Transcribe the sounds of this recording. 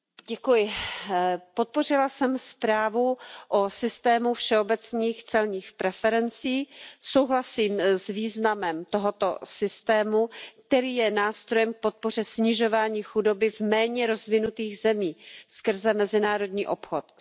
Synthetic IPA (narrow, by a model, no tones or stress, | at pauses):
ɟɛkujɪ | pot̪̚po̞r̝ɪlasɛmspɾaːvuʔosɪst̪ɛːmufʃɛo̞bɛt͡sniːxt͡sɛlɲiːxpɾɛfɛɾɛnt͡siːsowɦlasiːmzviːznamɛmt̪oɦot̪o̰sɪst̪ɛːmukt̪ɛɾiːjɛnaːst̪ɾo̞jɛmk̚po̞t̪̚po̞r̝ɛsɲɪʒo̞vaːɲiːxudo̞bɪvmɛːɲɛɾo̞zvɪnut̪iːɣzɛmiːskr̩zɛmɛzɪnaːɾo̞dɲiːʔo̞pxot̪̚